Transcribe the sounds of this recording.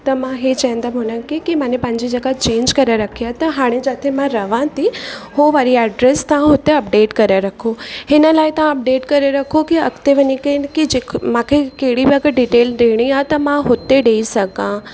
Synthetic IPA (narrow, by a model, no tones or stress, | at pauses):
t̪ɐmãɦet͡ɕaɦɪ̃nd̪əmɦʊnəkikimãːnẽpɐ̃ɲd͡ʑid͡ʑɐɡat͡ɕẽːɲd͡ʑkɐɾaɾɐkʰiat̪ɐɦaːɽ̃ed͡ʑaːt̪ʰemãɾɐʋãt̪ʰihoʋaːɾiɛːɖɾɛst̪ɐʋãɦʊt̪eɐp̚ɖeːʈkɐɾeɾɐkʰohɪnəlaːɪt̪ɐʋãɐp̚ɖeːʈkɐɾeɾɐkʰokiɐkt̪eʋɐɲikɐnkid͡ʑemãkʰekeɦɪɽibɐɡɖiːʈeːlɾeːɽ̃iaːt̪ɐmãɦʊt̪eɖeːisɐɡã